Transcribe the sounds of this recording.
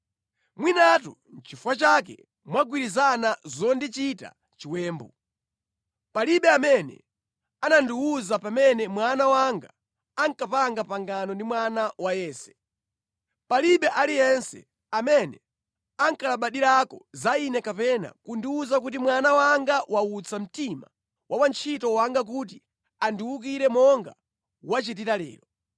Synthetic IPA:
mwinatṵ | n̩t͡ʃifwat͡ʃakɛ̰ | mwaɡwiɾizanazɔndit͡ʃita̰ | t͡ʃiwɛːmbɔ | paliɓɛamɛnɛ̰ | anandiuzapamɛnɛmwanawaŋɡaː | ŋkapaŋɡapaŋɡanɔndimwanawajɛːsɛ̥ | paliɓɛʔalijɛnsɛ̰ | amɛnɛ | aŋkalaɓaɗiɾakɔzainɛkapɛna̰kundiwuzak̬ut̬imwanawaŋɡawʔaut͡sam̩tima | wʔawant͡ʃʰitɔwaŋɡak̬ut̬i | andiwuk̬iɾɛmɔŋɡa̰ | wat͡ʃitiɾalɛ̰ːɾɔ

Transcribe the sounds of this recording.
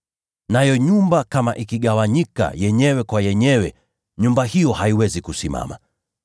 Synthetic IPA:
najɔɲumbakama̰ʔikiɠawaɲika̰jɛɲɛwɛkwajɛɲɛwɛ | ɲumbahijɔhaiwɛzikusima̰ma

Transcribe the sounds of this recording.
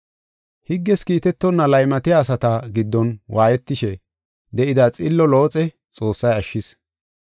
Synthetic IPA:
hɪɡːɛskiːt̪ɛt̪ːɔnːɐlɐjmɐt̪ɪjaːsɐt̪ɐɡɪd̪ːɔnwʔaːjɛt̪ːɪʃɛ | d̪ɛʔɪd̪ɐt͡sʼɪlːɔlo̞ːt͡sʼɛ | t͡sʼo̞ːsːɐjɐʃːɪs

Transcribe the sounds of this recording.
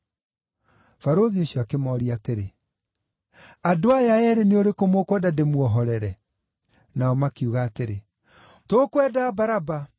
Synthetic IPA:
faɾoðioɕjɔakemɔːɾiateɾe | adoajaɛɾeneoɾekomokwɛdademwɔɦɔɾɛɾɛ | naɔmakiuɣaːteɾe | tokwɛdaːbaɾaba

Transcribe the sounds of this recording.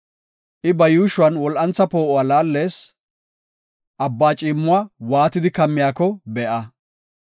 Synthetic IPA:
ʔɪbɐjuːʃʊwɐnwɔlʔɐnt͡sːɐpo̞ːʔʊalaːlːe̞ːs | ʔɐbːaːt͡ʃʼiːmːʊwawaːt̪ɪd̪ɪkɐmːɪjaːkɔbɛʔɐ

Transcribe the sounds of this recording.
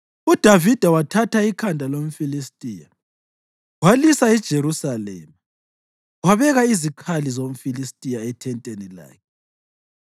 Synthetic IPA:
ud̥ʱavid̥ʱawatʰatʰaikʰandʱalom̩filistʼiːja̰ | walisaɛd̥ʒ̥ʱeɾusalɛ̰ːma | waβɛɣaizikʰalizom̩filistʼijaɛtʰɛntʼenila̰ːkʰɛ

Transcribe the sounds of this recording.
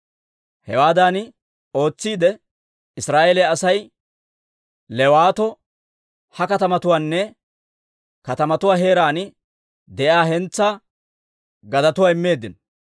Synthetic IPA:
hɛwaːd̪aːnɪ | o̞ːt͡sːiːd̪ɛ | ɪsɾaːʔelɛɐsɐj | lɛwaːt̪ɔ | hɐkɐt̪ɐmɐt̪ʊwaːnːɛ | kɐt̪ɐmɐt̪ʊwaːɦe̞ːɾaːnɪ | d̪ɛʔaːɦɛnt͡sːaː | ɡɐd̪ɐt̪ʊwaːɪmːe̞ːd̪ɪn

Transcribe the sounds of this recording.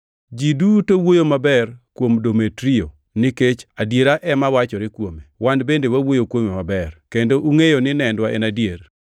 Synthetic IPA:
d͡ʒidutowojomabɛrkwomdometɾio | nɪket͡ʃadjeɾaʔɛmawat͡ʃɔɾɪkwomewandbendewawojokwomimabɛrkendoʔuŋejonɪnɛndwaɛnadjer

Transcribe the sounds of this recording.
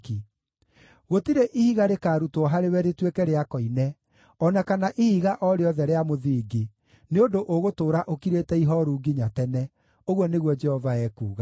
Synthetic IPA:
ki | ɣotiɾeʔihiɣaɾekaːɾutɔɦaɾewɛɾetwekɛɾeakɔinɛ | ɔnakanaʔihiɣaʔɔɾeɔðɛɾeamoðiɡe | neondoʔoɣotoːɾaʔokiɾetɛiɦɔɾuːɡiɲatɛnɛ | oɣwɔneɣwɔd͡ʒɛhɔvaɛːkuːɣa

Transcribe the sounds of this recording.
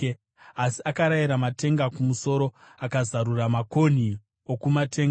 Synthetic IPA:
asiakaɾajiɾamate̞ŋɡakumuso̞ɾo̞akazaɾuramako̞ni | okumate̞ːŋɡ

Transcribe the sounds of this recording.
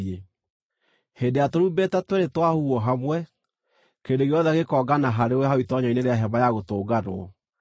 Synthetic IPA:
e | heːndeatoɾubetatweɾetwahuɔɦamwɛ | kendeɣeɔðɛaɣekɔːɡanaɦaɾewɛɦaitɔɲɔineɾeaɦɛβajaɣotoːɡanoɔ

